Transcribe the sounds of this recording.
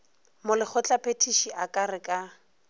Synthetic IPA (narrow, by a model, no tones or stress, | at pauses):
mʊlɪk͡xʊt͡ɬʼapʰʼetʰiʃiʔakʼarɪkʼa